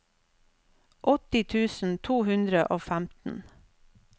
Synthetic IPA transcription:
ʔɔt̪ɪt̪ʰʉːsn̩t̪ʰuːhʉnd̪ɾəʔoːfæmt̪n̩

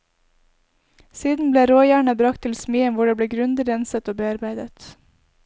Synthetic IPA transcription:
siːd̪n̩bleːɾoːjæːɳəbɾɑkt̪ʰɪlsmiːənʋʊɖeːb̪eːɡɾʉnd̪ɪd̪ɛnsət̪oːbeːɑɾbæɪd̪ət̪

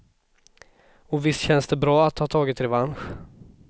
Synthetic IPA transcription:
ɔvɪst̪ɕɛnsd̪ɛbɾɑːat̪hɑːt̪ʰɑːɡɪt̪ɾɛvanɧ

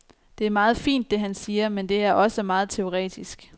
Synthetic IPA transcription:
d̥e̝æɐmɑ̈ːð̞̩ˠfḭːnd̥ːe̝ɦænsiːɐmend̥e̝æɐʔɒ̽səmɑ̈ːð̞̩ˠt͡sʰe̝o̝ʁɛ̰ːd̥isɡ̥

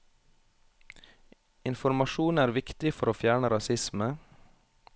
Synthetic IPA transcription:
ɪnfɔɾmɑʃuːnæːɾʋɪkt̪ɪfɔɾoːfjæːɳəɾɑsɪsmə

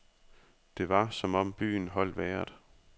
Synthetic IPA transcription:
d̥e̝ʋɑ̈sɒ̽mɒ̽mb̥y̰ːn̩ɦɒ̽l̰d̥ʋæːɐd̥

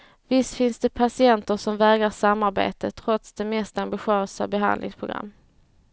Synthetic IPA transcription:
vɪst̪fɪnsd̪ɛpʰasɪɛnt̪əʂɔmvɛːɡɾaʂamːaɾbḛːt̪ət̪ʰɾɔt̪sd̪ɛmɛst̪ambɪɧøːsa̰bɛɦa̰nd̪lɪ̰ŋspʰɾʊɡɾa̰mː

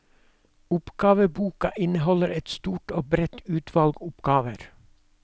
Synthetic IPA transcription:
ʊpɡ̥ɑːʋəbuːkɑʔɪnəhɔləɾɛt̪st̪uːʈoːbɾɛt̪ʰʉːt̪ʰʋɑlɡʊpɡ̥ɑːʋəɾ

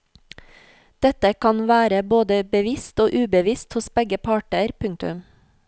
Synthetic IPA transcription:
d̪̥ɛt̪əkʰɑnʋæːɾəboːd̪əbəʋɪst̪oːʔʉːbəʋɪst̪hʊsbɛɡəpʰɑːʈəɾpʰʉŋt̪ʉ̰m

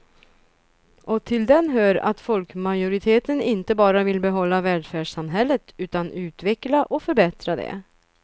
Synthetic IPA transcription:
ʔɔt̪ʰɪld̪ɛnɦøːɾa̰t̪fɔlkmajʊɾɪt̪ʰeːt̪ənɪnt̪əbɑːɾavɪlbɛɦɔlːavɛːɖfæːɖʂamɦɛlːət̪ʉ̟ːt̪anʉ̟ːt̪vɛklaʔɔfœɾbɛt̪ɾad̪ɛ̰

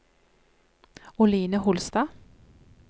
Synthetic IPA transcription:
ʊliːnəhʊlst̪ɑː

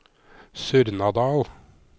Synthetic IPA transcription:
sʉɾnɑd̪ɑːl

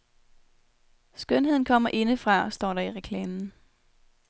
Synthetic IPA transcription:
sɡ̥œne̝ð̞̰ˠn̩kʰɒ̽m̰ɐʔe̝nəfʁɑ̈sd̥ɒ̰ːɾɑ̈iʁekʰlɛːmn̩

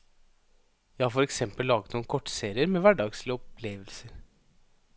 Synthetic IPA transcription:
jæɪhɑːɾfɔɾɛksɛmpəllːɑːɡət̪nuːnkʰɔʈːseːɾɪəɾmeːʋæɖɑːɡslɪɔpʰleːʋəlsəɾ

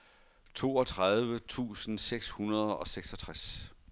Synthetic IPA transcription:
t͡sʰo̝ːɒ̽t͡sʰʁað̞ˠʋət͡sʰṵːsn̩seɡ̥shunɐð̞ˠɒ̽seɡ̥sɒ̽t͡sʰʁas

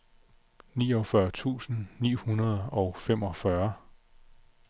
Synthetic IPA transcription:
nḭːɒ̽fɶɐt͡sʰṵːsn̩nḭːhunɐð̞ˠɒ̽ʊfemɒ̽fɶɐ

